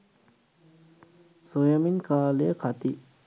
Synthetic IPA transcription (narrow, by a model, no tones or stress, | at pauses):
sojəminkaːlijəkʰat̪i